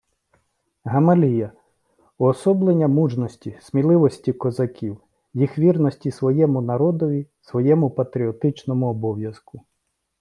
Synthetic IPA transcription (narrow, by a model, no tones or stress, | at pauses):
ɦɐmɐlʲijɐ | uɔsɔblˠenʲːɐmuʒnɔsʲtʲisʲmʲilˠɪʋɔsʲtʲikɔzɐkʲiw | jixʋʲirnɔsʲtʲisʋɔjɛmʊnɐɾɔd̪ɔʋʲisʋɔjɛmʊpɐt̪ɾʲiɔt̪ɪt͡ʃnɔmʊɔbɔwjɐzkʊ